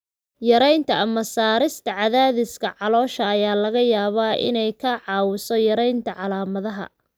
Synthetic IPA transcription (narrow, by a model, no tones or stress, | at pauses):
jɐɾɛjnt̪ʰɐʔɐmɐsaːɾɪst̪ʰɐʕɑðaːðɪskʰɐʕɑlɔːʃɐːjaːlɐɣɐjaːβaːʔɪ̰nɛjkʰɐʕɑːwɪsɔjɐɾɛjnt̪ʰɐʕɑlaːmɐðɐɦɐ̰